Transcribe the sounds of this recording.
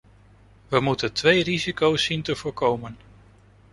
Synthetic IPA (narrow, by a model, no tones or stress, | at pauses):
ʋəmutəntʋejrizikowsːintəv̥ʊːɹkowmən